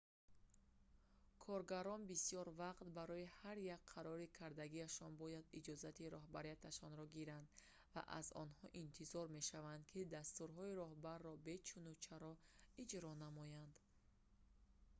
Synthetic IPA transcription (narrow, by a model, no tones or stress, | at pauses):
kʰɔɾɡaɾɔnbisijɔɾvaqt̪baɾɔihaɾjakqʰːaɾɔɾikʰaɾd̪aɡiaʃɔnbɔjad̪id͡ʒɔzat̪iɾɔɦbaɾijat̪ʰaʃɔnɾɔɡiɾand̪ | va̰ʔa̰zɔ̰nhɔʔint̪ʰizɔɾme̞ʃavand̪kʰid̪ast̪uɾɦɔiɾɔhbarːɔbe̞t͡ʃʰunut͡ʃʰaɾɔid͡ʒɾɔnamɔjand̪